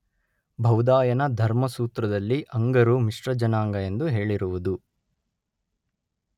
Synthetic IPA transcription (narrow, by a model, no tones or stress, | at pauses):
bʱɐwd̪aːjɐnɐd̪ʱɐɾmɐsuːt̪ɾɐd̪ɐlːiʔɐŋɡɐɾumiʂɾɐd͡ʒɐnaːŋɡɐe̞nd̪uɦe̞ːɭiɾuʋud̪u